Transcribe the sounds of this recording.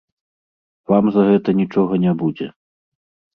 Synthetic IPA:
vamzaɣɛt̪ɐnʲit͡ʂɔɣɐnʲabud͡zʲɛ̰

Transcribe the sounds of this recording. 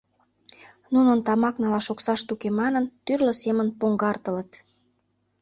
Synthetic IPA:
nunənt̪ɑmɑknɑlɑʃoksɑʃt̪ukemɑnənt̪yrlə̆semənpoŋɡɑrt̪ə̆lə̆t̪

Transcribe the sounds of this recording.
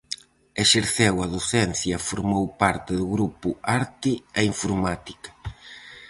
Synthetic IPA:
eʃeɾθewɐðoθɛn̟θjɐfoɾmowpaɾt̪ɪðʊɣɾupuaɾt̪iɛiɱfoɾmat̪i̥kḁ

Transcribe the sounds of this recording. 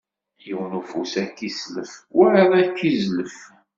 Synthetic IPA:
jiwnufusækːisləfwæʕðˤækːizləf

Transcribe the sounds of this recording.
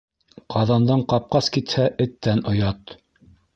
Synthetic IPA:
qʰɑðɑnd̪ɑɴqɑp̚qɑskit̪hæʔɘ̆t̪ːænʔŏjɑt̪

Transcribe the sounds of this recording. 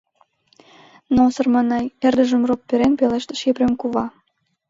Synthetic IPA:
nosərmɑnɑjerd̪ə̆ʒə̆mropːeɾenpeleʃt̪ĕ̥ʃkepɾʲemkuβɑ

